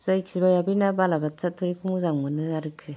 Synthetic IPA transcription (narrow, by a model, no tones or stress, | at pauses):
zajksibajabinabalabat͡satʰɯɾikʰuŋuzaŋmɯnɯjaɾɯksʰi